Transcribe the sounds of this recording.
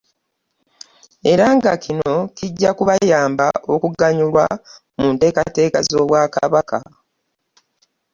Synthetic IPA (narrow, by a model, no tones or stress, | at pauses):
e̞ɾaŋɡakʰino̞ciɟːakuβajaːmba̰o̞kuɡaɲulwa̰ | muːnte̞ːkate̞ːkazo̞ːβwaka̰βaka̰